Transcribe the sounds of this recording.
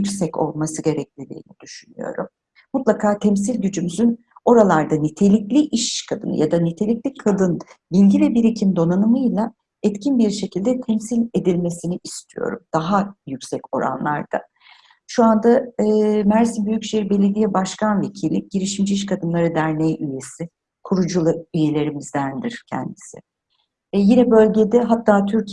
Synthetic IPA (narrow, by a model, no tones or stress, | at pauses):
jyksɛco̞̰lˠmasɯɟe̞ɾɛclʲid̪ʲḭːnid̪̥yʃyny̰jo̞̰ɾṵmː | ut̪lˠakʰaːt̪ʰɛmsilʲɟyd͡ʒymyzyn | o̞ɾalˠaɾd̪anit̪ʰe̞lʲiclʲiʔiʃkʰad̪ɯ̰nɯ̰jad̪anit̪ʰe̞lʲiclʲikʰad̪ɯn | bilʲɟivɛbiɾecʰimd̪o̞nanɯmɯjlˠa | ɛt̪cʰinbiɾʃe̞cʰilʲd̪ɛt̪ʰɛmsilʲe̞d̪ilʲme̞siniʔist̪ʰijo̞̰ɾṵmd̪̥aɦajycsɛco̞̰ɾa̰nlˠa̰ɾd̪̥a̰ | ʃuand̪a | mæɾsimbyjycʃejiɾibe̞lʲe̞d̪ijɛbaʃkʰanve̞cʰilʲːɪɟ̥iɾiʃimd͡ʒiiʃ̬kʰad̪ɯnlˠaɾɯd̪æɾnejʔyje̞sɪ | kʰuɾud͡ʒulˠɯyje̞lʲe̞ɾimizd̪ænd̪iɾ̥cʰɛ̰nd̪isɪ̰ | jinɛbø̞lʲɟe̞d̪ɛɦat̪ʰːaːt̪ʰyɾc